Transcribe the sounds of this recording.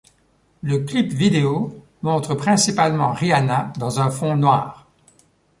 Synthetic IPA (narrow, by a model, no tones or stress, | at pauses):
ləklipvid̪eo | mɔ̃t̪χəpχɛ̃sipalmɑ̰̃ʁianad̪ɑ̃zɛ̃fɔ̃nwaːʁ